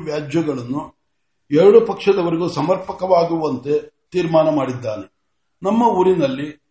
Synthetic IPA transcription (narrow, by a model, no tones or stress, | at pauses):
ʋjaːd͡ʒjɐɡɐɭɐnːu | ɛɾɐɽupɐkʂɐd̪ɐʋɐɾiɡuːsɐmɐɾpɐkɐʋaːɡuʋɐnt̪e̞t̪iːɾmaːnɐmaːɽid̪ːaːne | nɐmːɐuːɾinɐlːi